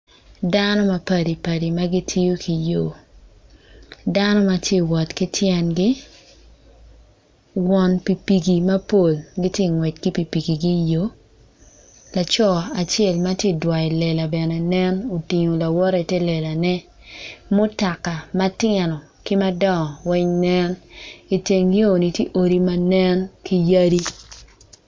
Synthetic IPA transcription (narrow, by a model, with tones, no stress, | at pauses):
da˦nɔ˦ma˨pɐ˦˨di˨pa˨di˨ma˦ɡi˦tʰi˦jo˦kʰi˨jo˨ | da˦nɔ˦ma˦tje˦wɔ˨tki˦tʰjɛ˦nɡɪ˦ | wɔ˦npi˨pi˨ɡi˨ma˦po˨lɡi˦tje˦˨ŋwɛ˨t̚ki˦pi˨pi˨ɡi˨ɡi˦jo˦ | la˨t͡ʃɔ˦˨a˨t͡ʃjɛ˦˨lma˦tje˦dwa˨i˨lɛ˨la˨bɛ˨nɛ˨nɛ˦no˨ti˨ɲo˨la˨wɔ˦ɾi˨tɛ˦lɛ˨la˨nɛ˦ | mo˦ta˨ka˨ma˦tɪ˦ɛ˨nɔ˨ | kɪ˦ma˦dɔ˦˨wɛ˦ɲnɛ˦ni˨te˨ŋɡi˦o˨ni˨tje˦ʔo˨ɾi˦ma˦nɛ˦nki˦ja˦ɾi˦